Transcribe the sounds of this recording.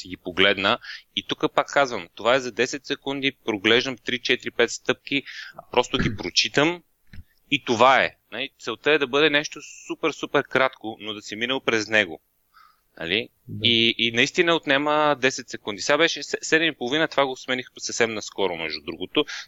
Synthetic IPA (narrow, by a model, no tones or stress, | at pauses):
sɛɡipoɡlɛd̪nəit̪ukəpakːazvəmt̪ovaɛzɐd̪ɛsɛt̪sɛkund̪ipɾoɡlɛʒd̪əmt̪ɾit͡ʃɛt̪iɾipɛt̪st̪ɤp̚k̟ipɾɔst̪ʊɡ̟ipɾot͡ʃit̪əm | it̪ovaɛ̰nɐlit̪sɛlˠt̪əɛd̪ɐbɤd̪ɛnɛʃt̪osupɛɾsupɛɾkɾat̪konod̪ɐsɛminəlˠpɾɛznɛɡo̰ | nɐ̰li | iːnɐist̪inəot̪nɛməd̪ɛsɛt̪ʲsɛkund̪isʲɛɡabɛʃɛsɛsɛd̪ɛmipolˠovinət̪ovaɡosmɛnixsɐfsɛmnɐskɔɾʊmɛ̰ʒd̪ud̪ɾuɡot̪o